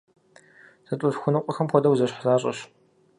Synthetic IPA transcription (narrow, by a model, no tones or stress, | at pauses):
sɐtʷʼʊfxʷʊnɨqʷʼɔxɐmxʷɔdɐwzɐɕħzaːɕʼɐ̰ɕ